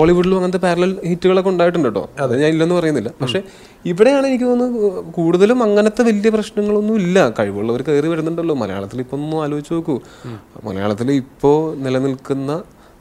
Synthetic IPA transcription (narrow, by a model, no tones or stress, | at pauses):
o̞ːɭiʋuɖilumɐŋːɐnɐt̪ːepaːɾɐlɐlhitːuɣɐɭekːuɳɖaːjiʈːuɳɖiʈːo̰ðeɲaːnilːenːɨpɐrɐjunːilːɐpɐkʂe̞ | iʋiɽe̞jaːɳe̞nikʲːɨonːɨkuːɽuðɐlumɐŋːɐnɐt̪ːe̞ʋɐlijɐprɐɕnɐŋːɐɭo̞nːumilːɐkɐɻiʋoːɭːɐʋɐɾkejriʋɐɾunːuɳɖɐlːo̞ːmɐlɐ̰ja̰ːɭɐt̪ːilipːo̞ːnːumaːloːit͡ɕːutoːkːu | mɐ̰lɐ̰ja̰ːɭɐt̪ːilipːo̞ːnilɐnilkunːɐ